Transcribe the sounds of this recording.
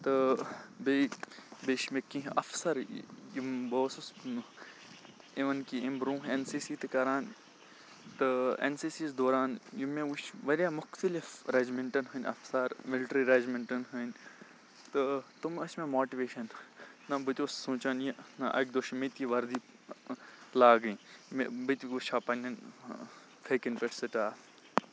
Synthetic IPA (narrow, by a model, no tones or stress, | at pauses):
t̪ɨbebeːʃmekːĩɦɐ̰fsɐɾjimboːsus | iʋɐnkiimbɾũːɦensiːsiːt̪ɨkɐɾaːn | t̪ɨḛnsiːsiːzd̪oːɾaːnjumẽwut͡ʃʋɐɾʲjamʊxt̪ɐlifɾed͡ʒmɪɳʈɐnɦɐnʲɐ̰fsɐɾmɪlʈɾiɾed͡ʒmɪɳʈɐnɦənʲ | t̪ɨt̪umɐsmẽmoːʈiʋeːʃɐnːɐbɨt̪ʲosːũːt͡ʃɐnjenɐʔɐ̰kd̪oʃmit̪iʋɐɾd̪iː | laːɡĩːmḛbɨt̪ikuʃaːpɐnʲɐn | fʰeːkinpeʈsɨʈaː